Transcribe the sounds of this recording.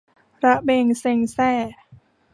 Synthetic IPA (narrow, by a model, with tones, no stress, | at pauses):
ɾa˧ʔbeː˧ŋse˧ŋsɛː˧˩